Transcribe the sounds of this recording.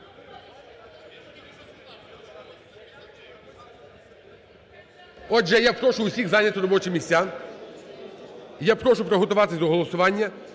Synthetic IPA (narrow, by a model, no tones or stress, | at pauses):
ɔʒɛjapɾɔʃʊʊsʲixzɑnʲɐt̪ʊɾɔbɔt͡ʃɪmʲisʲa | japɾɔʃʊpɾɔɦɔt̪ʊʋɑt̪ɪzd̪ɔɦɔlˠɔsʊʋɑnʲːɐ